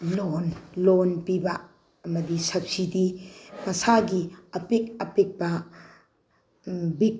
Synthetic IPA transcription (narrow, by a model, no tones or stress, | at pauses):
lonlonpibɐ | ɐmɐdisɐp̚sidimɐsaɡiɐpek̚ɐpek̚bɐ | bik̚